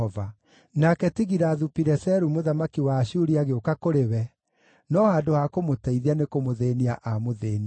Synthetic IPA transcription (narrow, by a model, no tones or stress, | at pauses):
ɔva | nakɛtiɣiɾaðupiɾɛsɛɾumoðamakiwaːɕuɾiaɣeokakoɾewɛ | nɔhaːdohakomotɛiðianekomoðeːnia̰ʔamoðeːnia